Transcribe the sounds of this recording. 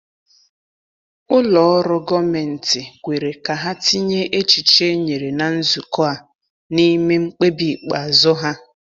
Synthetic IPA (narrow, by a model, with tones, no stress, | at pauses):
ʊ˦lɔ˨ɔ˦ɾʊ˦ɡɔ˦me˨n̩˨tɪ˨ɡʷe˨ɾe˨ka˨ɦa˦ti˦ɲe˦ʔe˦t͡ʃi˨t͡ʃe˦ɲe˨ɾe˨na˨n̩˦zu˨kɔ˦a˨ | ni˦me˦ŋ͡m̩˦k͡pe˦bi˨k͡pa˨zʊ˦ɦa˦